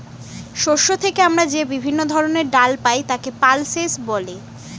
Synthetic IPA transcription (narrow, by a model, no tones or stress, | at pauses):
ʃoʃːot̪ʰekeamɾad͡ʑebibʱinːod̪ʱɔɾoneɾɖalpajt̪akepalsesboli